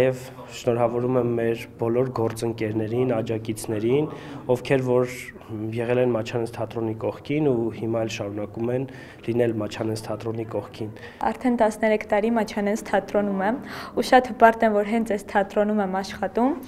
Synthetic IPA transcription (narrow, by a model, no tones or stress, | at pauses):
jɛv | ʃnɔɾɑvɔɾumɛmːɛɾbɔlɔɾɡɔɾt͡səŋkɛɾnɛɾinɑd͡ʒɑkit͡sʰnɛɾin | ɔfkʰɛɾvɔɾ | jɛʁɛlɛnmɑt͡ʃʰɑnɛnst̪ʰɑt̪ɾɔnikɔχkʰinuhimɑɛlʃɑɾunɑkumɛn | linɛlmɑt͡ʃʰɑnɛnst̪ʰɑt̪ɾɔnikɔχkʰin | ɑ̰ɾt̪ʰɛnt̪ɑsnɛɾɛkʰt̪ɑɾimɑt͡ʃʰɑnɛnst̪ʰɑt̪ɾɔnumɛmuʃɑt̪hbɑɾt̪ɛnvɔɾɦɛnt͡sʰɛst̪ʰɑt̪ɾɔnumɛmɑʃχɑt̪um